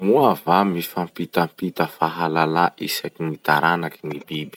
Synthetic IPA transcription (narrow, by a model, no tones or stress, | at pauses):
muavamifampit̪ampit̪əfaɦalalaʔisakinit̪aɾanakinibibi̥